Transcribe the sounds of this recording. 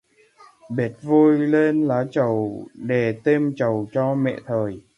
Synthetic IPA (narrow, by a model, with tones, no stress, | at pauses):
ɓe˨˩t̚vo˧jle˧nlaː˨˦t͡ɕə˨˩wɗe˧˩t̪e˧mt͡ɕə˨˩wt͡ɕɔ˧mɛ̰˧˨t̪ʰəː˨˩j